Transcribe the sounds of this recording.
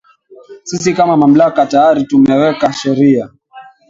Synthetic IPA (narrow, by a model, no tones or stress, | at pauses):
sisikamamam̩lakatajaɾitumɛwɛkaʃɛɾia